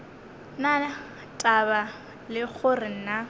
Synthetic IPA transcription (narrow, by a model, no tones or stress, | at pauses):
na | tʼaba | lɪɣʰʊrɪn̩na